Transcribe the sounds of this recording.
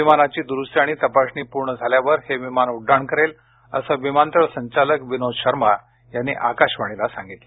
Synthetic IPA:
ʋimanat͡ɕiːd̪uɾusʈ̪jaɽ̃it̪əpaɕniːpuɾɳəd͡zʱaljaʋəɾheʋimanuɖːaɳkəɾel | əsəʋimant̪əɭsəɲt͡ɕaləkʋinod̪ɕəɾma | janːḭʔakaɕʋaɽ̃ilasã̰ŋɡit̪le

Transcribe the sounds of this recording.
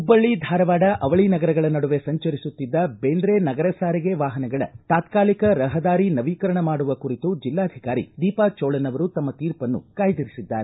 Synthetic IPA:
ubɐɭːid̪ʱaːɾɐʋaːɽɐʔɐʋɐɭinɐɡɐɾɐɡɐɭɐnɐɽuʋe̞sɐɲt͡ʃɐɾisut̪ːid̪ːɐbeːnd̪ɾenɐɡɐɾɐsaːɾiɡe̞ʋaːɦɐnɐɡɐɭɐ̰t̪aːt̪kaːlikɐɾɐɦɐd̪aːɾinɐʋiːkɐɾɐɳɐmaːɽuʋɐkuɾit̪ud͡ʒilːaːd̪ʱikaːɾḭd̪iːpat͡ʃɔːɭɐnɐʋɐɾut̪ɐmːɐt̪iːɾpɐnːṵkaːjd̪iɾisid̪ːaːɾe

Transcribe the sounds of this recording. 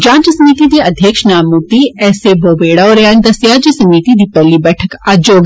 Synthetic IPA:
d͡ʒãːt͡ʃsɐmiːt̪id̪iɐd̪ʱjəkʃnaːmuːt̪iɛːseboːbeːɽaɔːɾjaːnd̪ɐsjaːd͡ʒɐsɐmiːt̪id̪iːpɛɦlibɛːʈʰəkaːd͡ʒoːɡ

